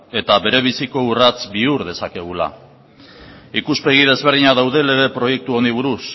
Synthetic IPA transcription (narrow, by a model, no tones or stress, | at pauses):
e̞t̪aβe̞ɾe̞β̞isiko̞urat͡sbiuɾðe̞sake̞ɣ̞ula̰ | ikuspe̞ɣ̞ið̞e̞zβe̞ɾðiɲaðawðe̞le̞βe̞pɾo̞je̞k̚t̪uo̞niβ̞uɾus